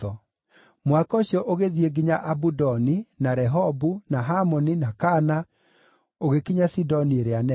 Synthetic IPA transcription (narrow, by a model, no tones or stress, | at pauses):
ɔ | mwakɔɕjɔʔoɣeðieɡiɲaʔabudɔninaɾɛɦɔbunaɦamɔninakana | oɣekiɲasidɔnieɾeanɛ